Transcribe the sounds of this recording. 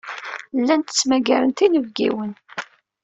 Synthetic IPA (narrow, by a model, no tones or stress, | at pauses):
lːænt̪ə̥t͡sːmæɡæɾənt̪inəvɡḭwən